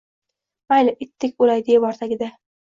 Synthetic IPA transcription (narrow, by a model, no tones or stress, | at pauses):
bajlɪʔɪt̪ʰːɪkʲolajd̪ɪjɪbɒɾt̪aɡʲɪd̪a